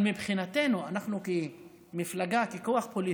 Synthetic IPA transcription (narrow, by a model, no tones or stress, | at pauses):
mibχinat̪e̞nuanaχnuki | miflaɡakiko̞aχpoli